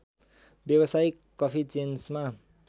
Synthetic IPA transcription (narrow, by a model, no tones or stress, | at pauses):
bjʌβʌsajkːʌpʰit͡sensma